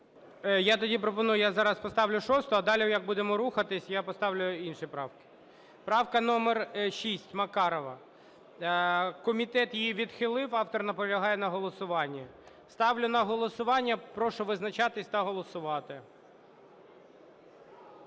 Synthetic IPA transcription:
jat̪ɔdʲipɾɔpɔnujʊjazɑɾɐspɔst̪ɑʋlʲʊʃɔst̪ɔɐd̪ɑlʲijɐɡ̚bud̪emɔɾuxɐt̪ɪsʲjapɔst̪ɑʋlʲʊinʃipɾɑwkɪ̥ | pɾɑwkɐnɔmɛrʃʲisʲtʲmɐkɑɾɔʋɐ | kɔmʲit̪ɛt̪jjiʋʲid̪xɪlˠɪwɑwt̪ɔrnɐpɔɾlʲɐɦɑjɛnɐɦɔlˠɔsʊʋɑnʲːi | st̪ɑʋlʲʊnɐɦɔlˠɔsʊʋɑnʲːɐpɾɔʃʊʋɪznɐt͡ʃɑt̪ɪsʲt̪ɐɦɔlˠɔsʊʋɑt̪ɪ

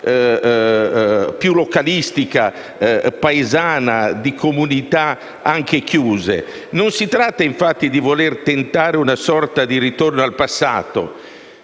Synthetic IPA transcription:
pjulokalist̪ika | paezaːnad̪ikʰomunit̪a | aŋk̟ekjuːzḛ | nonsit̪ɾat̪ːaiɱfat̪ːid̪ivolert̪ent̪aːɾeunasɔrt̪ad̪iɾit̪ornoalpasːa̰ːt̪o̰

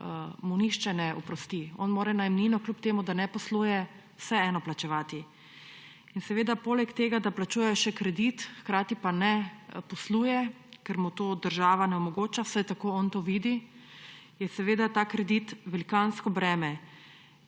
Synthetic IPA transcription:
muniʃt͡ʃɛnɛupɾɔst̪iɔ̰nmoːɾɛnajɛmniːnɔklʲupt̪eːmud̪anɛpɔsluːjɛ | wsɛɛːnɔplat͡ʃɛʋaːt̪i | insɛʋeːd̪apoːlɛkt̪eːɡad̪aplat͡ʃuːjɛjɔʃɛkɾɛd̪it̪xkɾaːt̪ipanɛpɔsluːjɛ | kɛɾmut̪oːd̪əɾʒaːʋanɛɔmɔɡoːt͡ʃawsajt̪akoːɔnt̪oːʋiːd̪i | jɛsɛʋeːd̪at̪aːkɾɛd̪it̪ʋɛlikanskɔbɾɛːmɛ

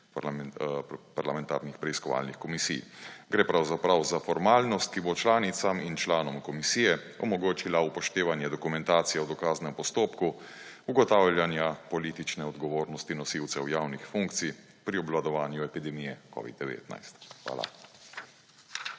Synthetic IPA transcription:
paɾlamɛnt̪a̰ːɾnixpɾɛiskɔʋa̰ːlnixkɔmisḭjɡɾeːpɾawzapɾawzafɔɾmaːlnɔst̪̚kibot͡ʃlaːnit̪samint͡ʃlaːnɔmkɔmisiːjɛ | ɔmɔɡoːt͡ʃilaupɔʃt̪eːʋanjɛd̪ɔkumɛnt̪aːt̪sijɛwd̪ɔkaːznɛmpɔst̪oːpku | uɡɔt̪aːwljanjapɔliːt̪it͡ʃnɛɔd̪ɡɔʋoːɾnɔst̪inɔsiwt̪sɛwjaːwnixfuŋk̚t̪sij | pɾiɔblad̪ɔʋaːnjuɛpid̪ɛmijɛkɔ̰ʋḭd̪̚d̪ɛʋḛːt̪na̰jst̪xʋa̰ːla̰

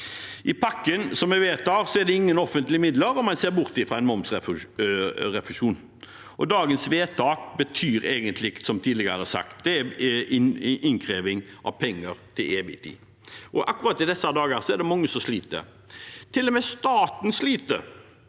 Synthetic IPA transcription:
ʔɪpʰɑkːənsɔmɛʋeːt̪ʰɑːʁsɔɛd̪ɛɪŋːənɔfənt̪lɪəmɪd̪ləɾɔmɛnseːɾbʊʁt̪ɪfɾɑæɪnmɔmsɛf | ɾɛfʂuːn | ʔɔd̪ɑːɡənsʋeːt̪ʰɑːk̚bət̪ʰyːɾeːɡənt̪lɪɪk̪sɔmt̪ʰiːd̪lɪɡəɾəɾəsɑ̰kt̪̚d̪ɛɛ | ɪnkʰɾeːʋɪŋʔɑ̰ʋpʰɛŋːəɾt̪ʰɪleːbɪ̰t̪ʰḭː | ʔɔʔɑkːʊɾɑːt̪ːɪd̪ɛsɑd̪ɑːɡəsɔɛɖ̪ɛmɑŋːəsɔmsliːt̪ə̰ | t̪ʰɪlːɔmɛːst̪ɑːt̪nsliːt̪ə

